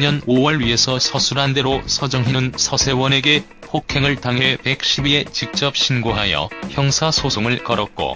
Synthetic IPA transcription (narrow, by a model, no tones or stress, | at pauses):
ɲʌnowʌɭɥiɦe̞sʰʌsʰʌsʰuɾande̞ɾosʰʌd͡ʑʌŋɦinɯnsʰʌsʰe̞wʌne̞ɡe̞ | pʰokʰe̞ŋɯɭtaŋɦepe̞k̚ɕ͈ʰibie̞t͡ɕik̚t͡ɕ͈ʌp̚ɕ͈ʰinɡoɦajʌ̰çjʌŋsʰasʰosʰoŋɯɭkʌɾʌt̚k͈o̰